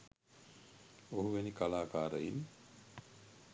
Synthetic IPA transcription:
oɦuʋenikalaːkaːɾəjim

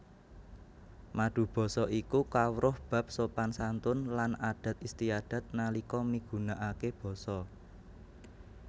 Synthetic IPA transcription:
maɖ̥ṳb̥ɔ̤sɔʔikukawɾʔʊhb̥ä̤p̚sopansant̪ʊnlanaɖ̥ä̤t̪̚ist̪iad̥ä̤t̪̚nalikɔmniɡ̥ṳnaʔakeb̥ɔ̤sɔ

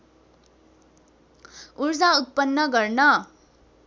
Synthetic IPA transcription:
uɾd͡zaut̪̚pʌnːʌɡʌɾnʌ

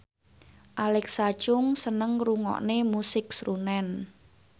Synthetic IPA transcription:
ʔalɛksat͡ʃʊŋsənəŋruŋɔ̰ʔnemusɪk̚srunɛn

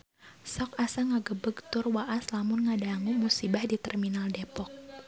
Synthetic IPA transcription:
sɔk̚asaŋaɡəbəɡ̚t̪ʊrwaʔaslamʊnŋadaŋumusibahdit̪ɛrminaldepɔk̚

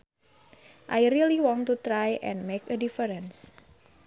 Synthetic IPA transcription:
ʔajɾiliwɔ̃ntut̪ɾajʔɛ̰̃nmekədifəɾə̃ns

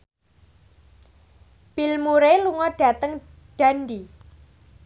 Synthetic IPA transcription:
b̥ilmuɾeluŋɔɖ̥ä̤t̪əŋ | ɖ̥a̤ndi

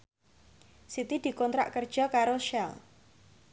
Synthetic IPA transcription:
sit̪id̪̥i̤kɔnt̪ɾa̰ʔkərd̥ʒ̥ɔ̤kaɾoʃɛl

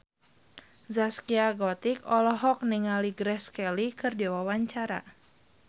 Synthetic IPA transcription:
zaskiaɡɔt̪ikɔlɔɦɔk̚niŋaliɡɾɛskɛlikɨrdiwawaɲt͡ʃaɾa̰

